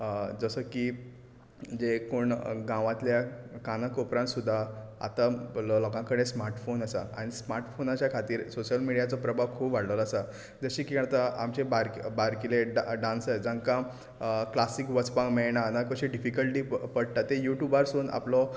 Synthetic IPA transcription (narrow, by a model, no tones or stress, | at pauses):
d͡zəsəki | d͡ʑekoɳɡãʋãt̪ljakanəkopɾãnsud̪ʱːaa̰t̪alɔlɔkãkəɽẽsmaɾʈfonəsaaɽ̃ismaɾʈfonat͡ɕjakʰat̪iːɾsoɕəlmiɽijat͡sɔpɾəbʱakʰuːpʋaɽlələsa | d͡zəɕiːkikəɳt̪əamt͡ɕebaɾbaɾkileɖaɖãnsəjd͡zãŋkã | klasikʋət͡spãkmɛɭɳanakəɕiɖifikəlʈiːpəɽt̪at̪ːejuʈjubaɾsuːna̰plɔ